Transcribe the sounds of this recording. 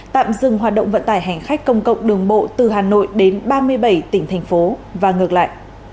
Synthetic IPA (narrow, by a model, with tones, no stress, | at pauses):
t̪a̰ː˧˨mzɨ˧˩ŋɦwaː˨˩t̚ɗə̰˧˨wŋ͡mvə̰˧˨nt̪aː˧˩jɦa˨˩ŋ̟xa˦˥jk̟̚kə˧wŋ͡mkə̰˧˨wŋ͡mɗɨ˨˩əŋɓo̰˧˨t̪ɨ˨˩ɦaː˨˩no̰˧˨jɗe˨˦nɓaː˧mɨ˧əjɓə˧˩jt̪ï˧˩ŋ̟t̪ʰjŋ̟fo˨˦vaː˨˩ŋɨ˨˩ək̚la̰ː˧˨jʔ